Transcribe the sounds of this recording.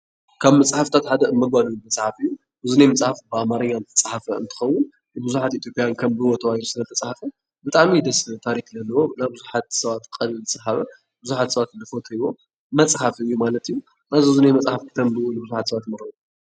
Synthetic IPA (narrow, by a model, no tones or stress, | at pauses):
kʰaβmɐt͡sʼħaft̪ʰat̪ħad̪ɐmɐɡ̚bad̪umɐt͡sʼħafɨjːu | ʔɨzunejmɐt͡sʼħafbɨʔamaɾɐɲːant̪ʰɐ̥t͡sʼħafɐɨ̰nt̪ʰɨ̥xɐwːʊn | ɨbɨzuħat̪it̪jo̞pʼijankʰɐmbɨwot̪ʰɐwajlusɨnɐt̪ʰɐt͡sʼħafɐ | bɨt̪ʼaʕmid̪ɐst̪ʰaɾikzɐlːɐwonaβbɨzuħat̪sɐβat̪kʼɐlɨzɨsʼħaβɐ | bɨzuħat̪sɐβat̪lɨfot̪ʰɨβo̞ | mɐt͡sʼħafɨjːumalɐt̪ijːu | nazɨzunejmɐt͡sʼħafkʰɨt̪ʰɐmbɨwonɨbɨzuħat̪sɐβat̪mɐɾɐ